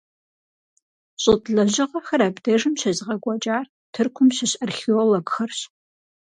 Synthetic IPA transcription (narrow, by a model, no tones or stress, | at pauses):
ɕʼɨtʼɮɐʑɪʁɐxɐɾaːbdɐʐɨmɕɐzʁɐɡʷɐt͡ʃʼaːr | tʰɨrkʷʰʊmɕɐɕʼɐrxioːloɡxɐrɕ